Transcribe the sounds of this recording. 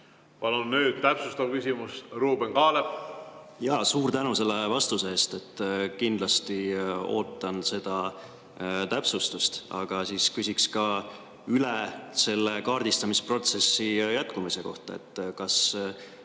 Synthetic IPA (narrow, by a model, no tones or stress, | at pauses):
pɑlunːyːd̪̥t̪æpsust̪ɑvkysʲimusruːbeŋkɑːle | jɑːsuːɾt̪ænuse̞lːe̞vɑst̪useeːst̪e̞t̪ːkind̪̥lɑst̪io̞̰ːt̪ːˑɑnse̞d̪̥ɑ | t̪æpsust̪ust̪ɑ̰ɡ̥ɑsiːskysʲikskɑ | ylese̞lːe̞kɑːrd̪ist̪ɑmispro̞t̪se̞sːijæt̪ˑkumise̞ko̞̰ht̪ɑ̰e̞̰t̪ːkɑs